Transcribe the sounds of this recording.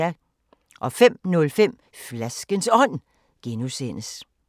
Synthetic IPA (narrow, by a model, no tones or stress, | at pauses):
æ | ʔɒ̽fem̰nɔ̽lfem̰ | flæsɡ̥ənsɒ̽n̰ | ɡ̥enusen̰əs